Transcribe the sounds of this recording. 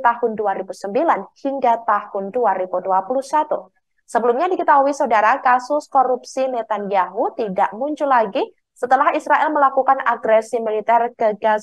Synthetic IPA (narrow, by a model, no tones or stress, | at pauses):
t̪ahʊnduaɾibusəmbilanhiŋɡat̪ahʊnduaɾibuduapuluhsat̪ṵ | səbəlumɲadiɡət̪aɦuisaudaɾakasʊskoɾupsinɛt̪anjaɦut̪idaʔmuɲt͡ʃʊlaɡi | sət̪əlahisɾaʔɛlməlakukanaɡɾɛsimilit̪ɛrkəɡa